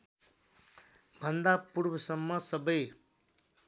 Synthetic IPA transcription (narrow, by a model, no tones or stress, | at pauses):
bʱʌnd̪apurbʱʌsʌmːʌsʌbʌj